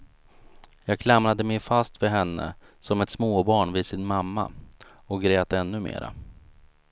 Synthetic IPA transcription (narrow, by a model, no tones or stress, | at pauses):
jɑːɡ̚kʰlamɾad̪əmɛjfast̪vɪɦɛnːə̰ | sɔmɛt̪smoːbɑːɳvɪd̪sɪnmamːa̰ | ɔɡɾeːt̪ɛnːɵmḛːɾa̰